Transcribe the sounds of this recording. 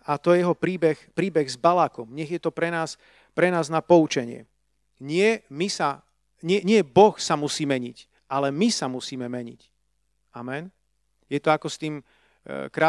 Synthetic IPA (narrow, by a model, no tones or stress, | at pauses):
at̪ɔjɛjɛɦɔpɾiːbɛxpɾiːbɛɣzbalaːkɔmɲɛɣjɛt̪ɔpɾɛnaːs | pɾɛnaːznapɔut͡ʃɛɲɪɛ̰ | ɲɪɛmisa | ɲɪɛɲɪɛbɔxsamusiːmɛɲḭc | alɛmisamusiːmɛmɛɲḭc | amɛn | jɛt̪ɔakɔst̪iːm | kɾaː